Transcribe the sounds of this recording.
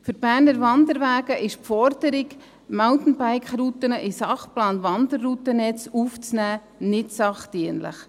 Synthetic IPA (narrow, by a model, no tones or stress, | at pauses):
fʏɾb̥æːɾnəɾʋɑnd̪əɾʋæːɡəʔɪʃpfɔɾd̥əɾɪɡ | malt̪n̩baɪkχɾut̪ənəʔɪsɑχplɑːnʋɑnd̪ərːut̪ənɛt͡suft͡snæː | nɪtsɑχtiənlə̰χ